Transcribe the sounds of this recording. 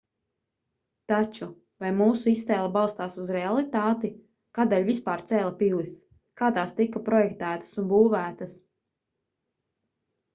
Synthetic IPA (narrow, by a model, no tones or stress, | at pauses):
t̪at͡ʃu | vajmuːsuist̪ɛːlˠabɑlˠst̪aːsuzɾɛalˠit̪aːt̪i | kaːd̪eːlʲvispaːɾt̪sɛːlˠɐpilˠis | kaːt̪aːst̪ikːapɾɔjɛkt̪æːt̪ɐ̥sunbuːvæːt̪ɐs